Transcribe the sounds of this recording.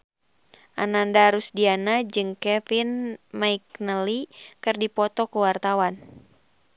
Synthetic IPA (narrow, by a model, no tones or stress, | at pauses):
ʔanandaɾusdianad͡ʒɨŋkɛfinmaik̚nəlikɨrdipɔt̪ɔkuwart̪awan